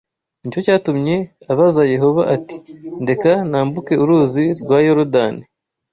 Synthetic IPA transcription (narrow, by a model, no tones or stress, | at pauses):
nico̞caːtumɲe̞aβazaje̞ɦo̞βaʔati̥nde̞kanaːmbuke̞uɾuːziɾɡwaːjoɾodani